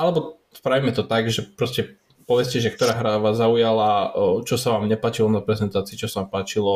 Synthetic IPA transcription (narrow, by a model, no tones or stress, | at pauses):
ʔalɛbɔ | spɾaʋiːmɛt̪ɔt̪aɡʒɛpɾɔscɛ | pɔʋɛscɛʒɛk̚t̪ɔɾaːɦɾaʋaːzːaujalat͡ʃɔsaʋaːmɲɛpaːt͡ʃilɔnapɾɛzɛnt̪aːt͡siːt͡ʃɔsaʋaːmpaːt͡ʃilɔ